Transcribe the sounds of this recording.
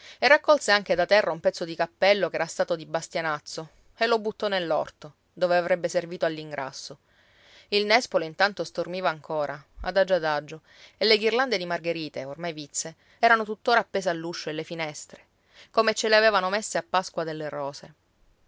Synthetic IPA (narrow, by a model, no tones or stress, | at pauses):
erːakːɔlseaŋk̟ed̪at̪ɛrːaumpɛt̪sːod̪ikapːɛlːok̟ɛːɾast̪aːt̪od̪ibast̪janat̪sːo | elːobut̪ːɔnelːɔ̰rt̪o | d̪oːveavɾɛbːeserviːt̪oalːiŋɡɾʔa̰sːo | ilnɛspoleint̪ant̪ost̪ormiːvaːŋkʰoːɾʔaa̰d̪ad͡ʒːad̪ad͡ʒːo | elːeɡirland̪ed̪imarɡeɾiːt̪eormajvit̪sːe | ɛːɾanot̪ut̪ːoːɾaːpːeːsealːuʃːoelːefinɛst̪ɾe̥ | komet͡ʃːeleaveːvanomesːeapːaskwad̪elːerɔːse